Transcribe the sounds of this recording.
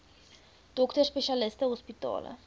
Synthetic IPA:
d̥ɔktərspɛʃalɪstɛɦɔspita̰ːlə̰

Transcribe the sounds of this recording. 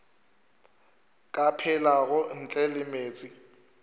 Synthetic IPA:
kʼapʰɛlaɣʊn̩t͡ɬʼɛlɪmeːt͡sʼɪ

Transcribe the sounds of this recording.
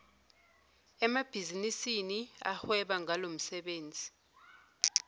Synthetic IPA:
ɛmab̥ʱizinisinia̰hwɛɓaŋalom̩sɛɓeːnd͡zʱi

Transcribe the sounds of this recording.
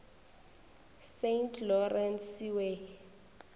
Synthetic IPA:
sentʰlɔrɛnsiwe

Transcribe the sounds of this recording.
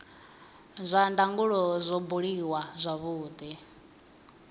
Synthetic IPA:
zʷandaŋɡuɺɔzʷɔbuɺiwazʷaβuːd̪i

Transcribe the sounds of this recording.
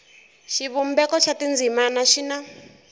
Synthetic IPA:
ʃiβumbɛkɔʃatind͡zimanaʃina

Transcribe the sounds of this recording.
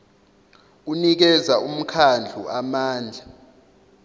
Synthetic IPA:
unik̬ɛzaʔum̩kʰand͡ɮʱuamaːnd͡ɮʱa

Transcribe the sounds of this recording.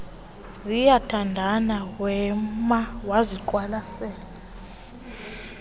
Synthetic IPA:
zijatʰandʱanawɛmawaziǃwalasɛːla

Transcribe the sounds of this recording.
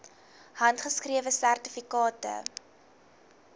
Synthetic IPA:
hɐntχəskriəvəsærtifikɑːtə̰

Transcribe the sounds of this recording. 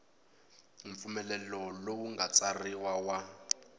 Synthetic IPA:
ɱfumɛlɛlɔlowuŋɡat͡sariwawa

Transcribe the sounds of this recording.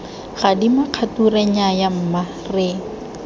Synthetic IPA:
ɣadimaq͡χʰaturɛɲajam̩ːma | reːŋ̩

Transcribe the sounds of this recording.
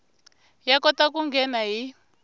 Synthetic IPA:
jakɔtakuŋɡɛnaɦi

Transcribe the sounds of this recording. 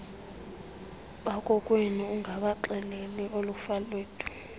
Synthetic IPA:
ɓakʼɔkʼweniuŋʱaɓaǃɛlɛliolufalweːtʼʰu̥

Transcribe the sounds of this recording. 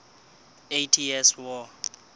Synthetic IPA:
ejtʰiɛswɔ

